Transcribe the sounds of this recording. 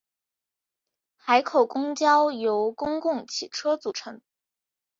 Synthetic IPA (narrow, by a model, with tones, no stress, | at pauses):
xa˧˥ɪkʰo˨˩ʊkʊ˥ŋt͡ɕjɑ˥ʊjo˧˥ʊkʊ˥ŋkʊ˥˩ŋt͡ɕʰi˨˩ʈ͡ʂʰɤ˥t͡su˨˩ʈ͡ʂʰɤ˧˥˦ŋ